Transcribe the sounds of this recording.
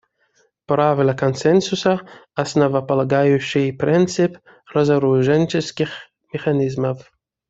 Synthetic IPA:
pɾavlakɔnsɛnsusaasnɔvapɔlɛɡajuɕɪpɾɛnt̪sɪp | ɾɔzaɾuʒɛnʲt͡ʃɛskʲix | mɛxanʲizmaf

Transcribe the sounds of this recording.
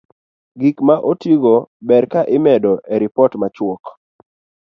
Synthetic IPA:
ɡikmaʔotiɡobɛɾkaʔɪmɛdɔʔɛɾipɔtmat͡ʃwɔk

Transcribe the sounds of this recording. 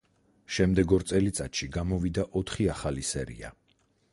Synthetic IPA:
ʃɛmd̪ɛɡɔɾt̪sʼɛlit̪sʼat̪ʃiɡamɔvid̪aʔɔt̪ʰχiaχalisɛɾḭa̰

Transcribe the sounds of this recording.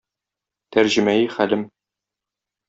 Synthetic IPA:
t̪æɾʑɘ̆mæjɘχælɘm

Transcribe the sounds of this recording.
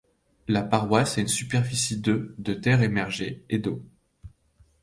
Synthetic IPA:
lapaʁwasɛynsypɛʁfisid̪ød̪ət̪ɛʁemɛʁʒeed̪o

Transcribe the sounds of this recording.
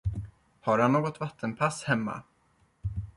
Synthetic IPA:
haɾhanːoːɡɔt̪vat̪ʰːənpʰashɛmːa̰

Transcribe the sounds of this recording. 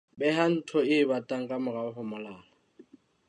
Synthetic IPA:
bɛɦan̩tʰɔɪbatʼaŋ̩kʼamʊraʊhʊmɔlaːlɔ

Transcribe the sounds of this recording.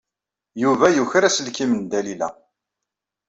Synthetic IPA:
juvæjuçɾæsəlkimənd̪ælilæ̰

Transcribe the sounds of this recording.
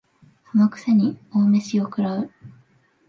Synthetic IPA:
hamokɯ̟̥seɲ̟ioːme̞ɕiokɯ̟ɾaɯ

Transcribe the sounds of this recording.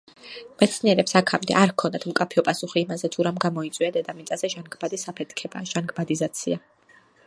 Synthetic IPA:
mɛt̪sʰniɛɾɛpsakʰamd̪ɛ̰ʔaɾkʰɔnd̪at̪ʰmkʼapʰiɔpʼasuχiːmazɛt̪ʰuɾamɡamɔit̪sʼwiad̪ɛd̪amit̪sʼazɛʒanɡbad̪isapʰɛt̪ʰkʰɛbaʒanɡbad̪izat̪sʰia

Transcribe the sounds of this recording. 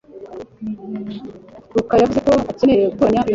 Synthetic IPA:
dukajavuze̞ko̞acenejeukoɲa

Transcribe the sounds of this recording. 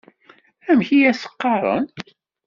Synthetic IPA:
æmçijæsə̥qːɑɾˤə̰n

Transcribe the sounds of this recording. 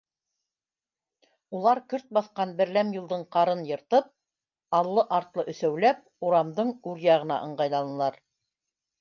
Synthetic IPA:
ulˠɑɾkɵɾt̪̚bɑθqɑnbɘ̆ɾlæmjɤ̆lˠd̪ɤɴqɑɾɤnjɤ̆ɾt̪ɤp̚ | ɑlˠːɤʔɑɾt̪lˠɤʔɵ̆θæwlæp̚ | uɾɑmd̪ɤɴʉɾjɑʁɤ̆nɑ̰ʔɤ̆ɴɢɑjðɑlˠɤ̆n̆ɤ̆lˠɑɾ

